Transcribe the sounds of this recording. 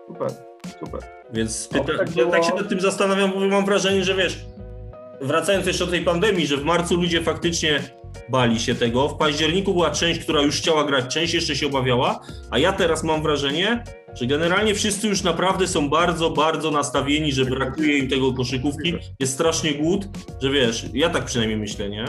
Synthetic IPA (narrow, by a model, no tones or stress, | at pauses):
upɛɾ | supɛ̰ɾ | vʲjɛnt̪spɨt̪aaakɕɛnat̪ːɘmzast̪anavʲjambɔvɛmːamvɾaʐɛɲɛʐɛvʲjɛʂ | vɾat̪sajɔnsjɛʂt͡ʂɛd̪ɔt̪ːɛjpand̪ɛmʲjiʐɛvmaɾt̪sulud͡ʑɛfakt̪ɘt͡ʂɲɛ | balʲiɕɛt̪ɛɡɔfpaʑd͡ʑɛɾɲikubɘwat͡ʂɛ̃w̃ɕt͡ɕk̚t̪uɾajuʂxt͡ɕawaɡɾat͡ɕt͡ʂɛ̃w̃ɕt͡ɕjɛʂt͡ʂɛɕɛɔbavʲjawaajat̪ɛɾasmamvɾaʐɛɲɛ | ʐ̥ɛɡɛnɛɾalɲɛfʂɨst̪sɘjuʂnapɾavd̪ɛsɔ̃w̃baɾd̪zɔbaɾd̪zɔnast̪avʲjeɲiʐɛbɾakujɛimt̪ɛɡɔkɔʂɨkufki | jɛst̪st̪ɾaʂɲɛɡwut̪ | ʐɛvʲjɛʂjat̪ak̚pʂɨnajmɲejmɘɕlɛɲɛ